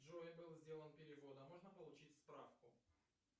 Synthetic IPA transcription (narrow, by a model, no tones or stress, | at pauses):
ʐoɪbɨlˠzʲdʲe̞lˠənpʲɪɾʲɪvo̞d̪əmo̞ʐnəpəlˠʊt͡ɕitʲspɾafkʊ